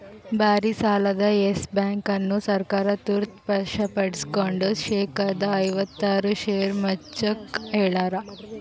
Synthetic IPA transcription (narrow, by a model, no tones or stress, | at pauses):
baɾiːsalad̪aesbaŋkanːuːsɐɾkaɾat̪uɾt̪pəʂapɐɽskoɳɖəsɕekad̪aəjʋət̪ːaɾuɕeɾmət͡ʃəkɦeɭaɾa